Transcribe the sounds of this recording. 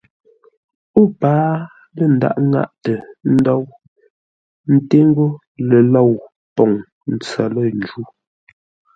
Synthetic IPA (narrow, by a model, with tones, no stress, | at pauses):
o˦˨paː˨˦ | lə˨n̩˨da̰˦˨ʔŋa̰˦˨ʔtə˨n̩˦dɔ˦w | n̩˦te˦ŋ˦ɡo˦ | lɛ˨lɔ˦˨w | pɔ˨ŋ | n̩˨t͡sa˨lə˦˨n̩˨d͡ʒu˦